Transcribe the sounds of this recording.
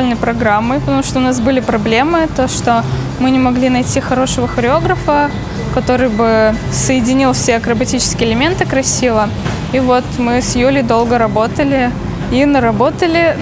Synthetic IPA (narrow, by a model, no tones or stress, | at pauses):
lʲnəjpɾɐɡɾamːɨpət̪ɐmuʂt̪oʊnas̬bɨlʲɪpɾɐblʲe̞mːɨt̪o̞ʂt̪o | mɨnʲɪmɐɡlʲinɐjtʲixɐɾo̞ʂəvəxəɾʲɪo̞ɡɾəfə | kɐt̪o̞ɾɨjbɨ | səjɪdʲɪnʲilˠfsʲeɐkɾəbɐtʲit͡ɕɪ̥skʲɪəɪlʲɪmʲe̞nt̪ɨkɾɐsʲivə | ivo̞t̪mɨsjulʲɪd̪o̞lˠɡəɾɐbo̞t̪əlʲɪ | inəɾɐbo̞t̪əlʲɪ